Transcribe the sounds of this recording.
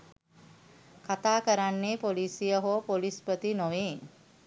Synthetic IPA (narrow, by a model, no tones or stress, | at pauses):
kat̪aːkəɾanːeːpoliːsijəɦoːpolispət̪inoʋeː